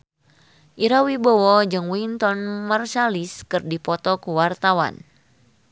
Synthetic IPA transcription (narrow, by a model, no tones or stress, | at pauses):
ʔiɾawibɔwɔd͡ʒɨŋwint̪ɔnmarsaliskɨrdipɔt̪ɔkuwart̪awa̰n